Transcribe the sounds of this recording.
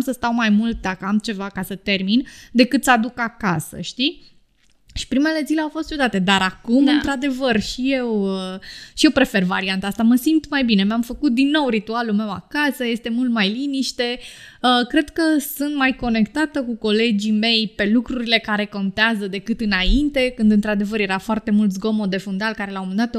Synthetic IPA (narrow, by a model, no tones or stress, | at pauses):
msəst̪awmajmult̪̚d̪akəamt͡ʃe̞vakasət̪e̞rmind̪e̞kɨt̪sad̪ukakasə̰ʃt̪i | ʃi̥pɾime̞le̞zileawfo̞st̪t͡ʃud̪at̪e̞d̪aɾakumɨnt̪ɾad̪e̞vərʃije̞wəʃije̞wpɾe̞fe̞rva̰ɾiant̪aast̪aməsimt̪majbine̞meamfəkut̪̚d̪inːo̞wɾit̪ualulme̞wa̰kasəje̞st̪e̞mult̪majliniʃt̪e̞ | əkɾe̞d̪kəsunt̪majko̞ne̞kt̪at̪əkuko̞le̞d͡ʒime̞jpe̞lukɾuɾile̞kaɾe̞ko̞nt̪eazəd̪e̞kɨt̪ɨnaint̪e̞kɨnd̪ɨnt̪ɾad̪e̞vəɾje̞ɾafoart̪e̞mult̪sɡo̞mo̞d̪e̞fund̪alkaɾe̞lawmɨnd̪at̪